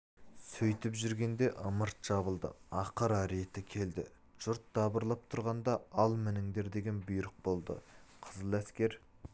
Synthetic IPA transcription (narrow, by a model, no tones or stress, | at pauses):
sɵjt̪ɪpʒʏɾɡʲe̞nd̪e̞ʔəməɾt̪ʒ̥ɑβəlˠd̪ə̰ɑqəɾɑɾe̞t̪ɪkʲʰe̞ld̪ɪ | ʒ̥ʊɾt̪̚d̪ɑbəɾlˠɑp̚t̪ʰʊɾʁɑnd̪ɑɑlˠmɪnɪŋd̪e̞ɾd̪e̞ɡʲe̞nbʊjɾəq̚bo̞lˠd̪ə̰qʰəzəlˠæskʲe̞ɾ